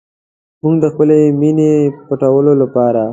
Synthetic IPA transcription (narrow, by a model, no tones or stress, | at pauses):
muɡd̪əxpəleminepaʈawəlolapɑɾa